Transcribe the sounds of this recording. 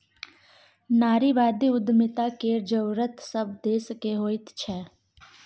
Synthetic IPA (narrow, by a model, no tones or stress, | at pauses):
naːɾiʋaːd̪iʊd̪mɪt̪akeːɾd͡ʒəwɾət̪səbd̪eːskeɦoːɪt̪t͡ʃʰɛː